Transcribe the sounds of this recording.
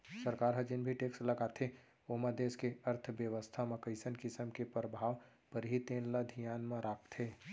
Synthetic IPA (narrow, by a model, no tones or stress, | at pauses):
sɐɾkaːɾɦə̃d͡ʒɪnbʱiʈeːkslɐɡaːt̪ʰe | omɐd̪eːskeɐɾt̪ʰʋjəʋəst̪ʰaməkəɪsənkɪsəmkepɾəbʱaːʋ | pəɾɦit̪ẽːnləd̪ʱijaːnmãɾaːpt̪ʰeː